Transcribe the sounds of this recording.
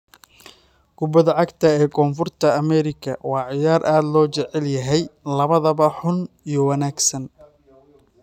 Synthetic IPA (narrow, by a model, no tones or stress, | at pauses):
ɡ̥ʊbɐðɐʕɑɡt̪ʰɐɛːkʰɔːnfʊrt̪ʰɐːmɛɾɪkʰɐwɑːʕɪjaːrʔaːd̪lɔːt͡ʃɛʕɛljɐɦɛjlɐβɐðɐβɐħʊn | ijɞwɑnaːɡsɐn